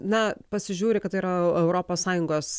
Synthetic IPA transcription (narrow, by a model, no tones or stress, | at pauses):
nɐpɐsʲɪʒʲuːɾʲɪkɐt̪ːɐiːɾɐɛʊɾoːpoːssɑːjʊŋɡoːs